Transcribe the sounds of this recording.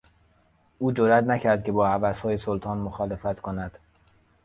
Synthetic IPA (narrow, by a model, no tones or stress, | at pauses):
ʔuːd͡ʒoɾæt̪næcʰæɾd̪̚kʲʰe̞bɒːhævæshɒːjesolt̪ʰɒːnmoxɒːlefæt̪kʰonæd̪̥